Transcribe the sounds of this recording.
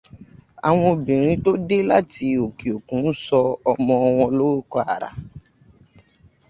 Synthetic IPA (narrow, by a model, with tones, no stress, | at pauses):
a̰˨w̃ɔ̃˧˨bĩ˨ɾ̃ĩ˦to˦de˦la˦ti˧o˨ki˨o˨kũ˨˦n̩˦sɔ˧ɔ˧mɔ̃˧ɔ˧w̃ɔ̃˧lo˦ɾo˦kɔ˧a˨ɾa̰˨